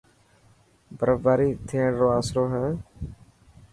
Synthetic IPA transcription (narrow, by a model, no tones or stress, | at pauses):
bəɾəbaːɾiːt̪ʰeːɳɾoːaːsɾoːɦɛ̃ː